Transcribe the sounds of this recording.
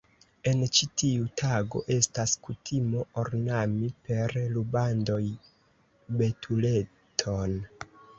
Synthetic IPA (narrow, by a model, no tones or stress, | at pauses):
e̞nt͡ʃitiutʰaɡo̞̰ʔe̞staskutʰimo̞ʔoɾnamipe̞ɾlubando̞j | be̞tʰule̞ | tʰon